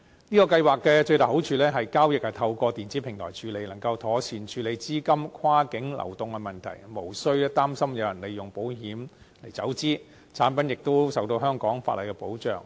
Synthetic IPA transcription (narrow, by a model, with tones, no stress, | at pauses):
niː˥kɔ˧kɐ˧jwaː˨kkːɛː˧t͡ʃɵ˧ɥt̪aː˨˩ho˨˥wt͡ʃʰyː˨˧lɛː˥ɦɐ˨jkaː˥wjɪ˨k̚hɐ˨jt̪ʰɐ˧wkɔː˧t̪iː˨nt͡siː˨˥pʰɪ˨˩ŋt̪ʰɔ̰ː˨˩jt͡ʃʰyː˨˧le˨˧jnɐ˨˩ŋkɐ˧wt̪ʰɔː˨˥sʰiː˨˩nt͡ʃʰyː˨˧le˨˧jt͡siː˥kɐ˥mkʰwaː˥kɪ˨˥ŋlɐ̰˨˩wt̪ʊ˨˧ŋkɛ˧mɐ˨˩nt̪ʰɐ̰˨˩jmo˨˩wsɵ˥ɥlɛ˥t̪aː˥msɐ˥mjɐ˨˧wjɐ˨˩nle˨˧jjʊ˨˩ŋpo˨˥wɦiː˨˥m | le˨˩jt͡sɐ˨˥wt͡siː˥ | t͡sʰaː˨˥npɐ˨˥njɪ˨k̚t̪o˥wsɐ˨wt̪o˧wɦœː˥ŋkɔː˨˥ŋfaː˧tlɐ˨˩jkɛ˧po˨˥wt͡ʃœ̰ː˨ŋ